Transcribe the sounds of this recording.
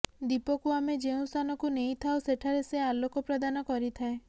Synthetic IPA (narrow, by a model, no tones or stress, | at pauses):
d̪ipɔkuamed͡ʒeũst̪ʰanɔkunejt̪ʰawseʈʰaɾesealokɔpɾad̪anɔkɔɾit̪ʰae